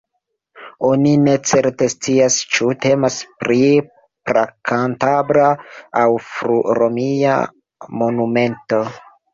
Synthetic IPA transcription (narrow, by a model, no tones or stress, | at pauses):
o̞nine̞t͡se̞ɾte̞st͡siast͡ʃute̞maspɾi | pɾakʰantabɾaawfɾuɾomia̰ | mo̞nume̞nto̞